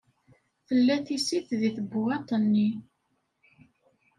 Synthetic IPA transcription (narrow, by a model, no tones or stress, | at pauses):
θəlːæθisiθðiθəbːwɑt̪ˤənːi